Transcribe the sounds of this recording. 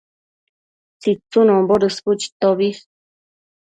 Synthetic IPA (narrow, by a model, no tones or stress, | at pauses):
t͡sit͡sunõmboɾɨsput͡ʃi̥t̪oβis